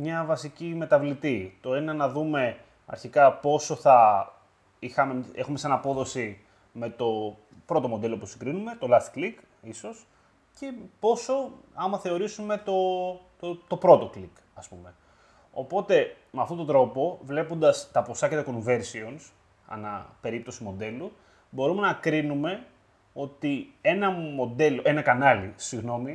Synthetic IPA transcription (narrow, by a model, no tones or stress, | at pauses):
mɲɐvɐsicime̞t̪ɐvlit̪it̪o̞enɐnɐðume̞ | ɐ̰ɾçikɐpo̞so̞θɐ | ixɐmee̞xumesɐnɐpo̞ðo̞si | me̞t̪o̞ | pɾo̞t̪o̞mo̞d̪e̞lo̞pusiŋɡɾinume̞t̪o̞lɐθi̥klik | iso̞s | ce̞po̞so̞ɐmɐθe̞o̞ɾisume̞t̪o̞t̪ot̪o̞pɾo̞t̪o̞klik | ɐspume̞ | o̞̰po̞t̪e̞ | meɐft̪o̞t̪od̪ɾo̞po̞vle̞pond̪ɐst̪ɐpo̞sɐcet̪oko̞nve̞ɾsio̞ns | ɐ̰nɐ̰pe̞ɾip̚t̪o̞simo̞d̪e̞lu | bo̞ɾume̞nɐkɾinume̞ | o̞t̪ie̞nɐmo̞d̪e̞lo̞ʔe̞nɐkɐnɐlisiɣno̞mi